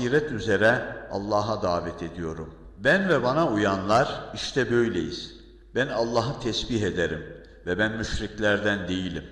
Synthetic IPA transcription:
iːɾɛt̪yze̞ɾɛa̰lˠːaːɦad̪aːvɛt̪ʰe̞d̪ijo̞ɾum | bænvɛbanaujanlˠaɾiʃt̪ʰɛbø̞jlʲḛjḭz̥ | bænalˠːaːɦɯt̪ʰɛsbiɦe̞d̪eɾim | vɛbænmyʃɾiclʲæɾd̪ænd̪e̞jilʲim

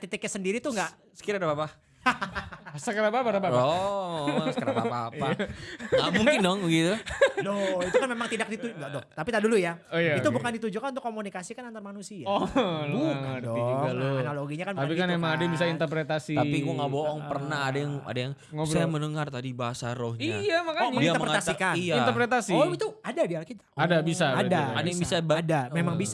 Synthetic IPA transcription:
t̪it̪ik̚ɲasəndiɾit̪uŋɡa | sə̥kiɾadabapa | asəkəɾabapaɾabaɔ | səkəɾaapa̰paːpaamuŋkɪndɔŋɡit̪udɔit̪ukanmemaŋt̪idak̚dit̪uŋɡadɔt̪apit̪adulujajait̪ubukandit̪ud͡ʒukanunt̪ʊkːomunikasikanant̪armanusiaukadɔidaluanaloɡiɲakanbt̪apikanmemaŋadajabis̬aint̪ərpɾet̪asit̪apikuŋɡaboʔɔŋpərnaɦadajaŋa̰dajaŋ | ŋosajjamənəŋart̪adibaɦasaɾɔhɲia̰jamakaməŋiaəməpɾet̪asikaijaint̪əpɾet̪asiɔit̪uadadialkit̪ḁadabisabadaa̰dajaŋbisabadamemaŋbisa

